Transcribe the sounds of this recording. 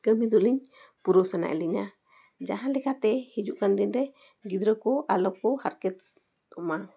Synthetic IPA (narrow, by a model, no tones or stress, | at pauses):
ɡ̥əmid̪ɔliɲpuɾɔsana̰ʔɛ̰liŋa | d͡ʒaɦãnlɛkat̪ɛhid͡ʒuʔkand̪inɾɛ | ɡid̪ɾəkɔʔalɔkɔhaɾkɛt̪ | ɔma